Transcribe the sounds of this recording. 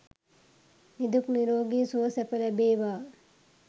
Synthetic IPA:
nid̪ukniɾoːɡiːsuʋɐsɛpɐlɐbeːʋaː

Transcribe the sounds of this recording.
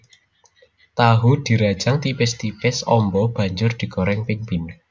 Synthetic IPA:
t̪aɦud̪̥i̤ɾad̥ʒ̥aŋt̪ipɪst̪ipɪsɔmbɔb̥a̤ɲd͡ʒʊrd̪̥i̤kɔɾɛŋpɪŋpin

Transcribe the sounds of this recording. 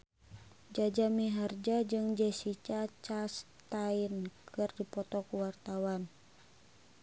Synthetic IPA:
d͡ʒad͡ʒamiɦard͡ʒad͡ʒɨŋd͡ʒɛsit͡ʃat͡ʃas | t̪ainkʰɨrdipɔt̪ɔkuwart̪awan

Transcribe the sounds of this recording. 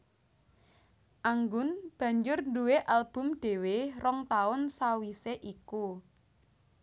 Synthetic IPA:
ʔaŋɡʊnb̥a̤ɲd͡ʒʊrnduweʔalb̥ʊ̤mɖ̥e̤werɔŋt̪aʊnsawiseʔiku

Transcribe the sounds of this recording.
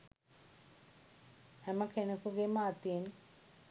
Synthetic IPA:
hɛməkenekuɡeməat̪ijen

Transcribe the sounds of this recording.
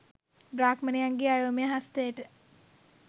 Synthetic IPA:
bɾaːkmənejaŋɡeajoːmejəɦast̪ejəʈə

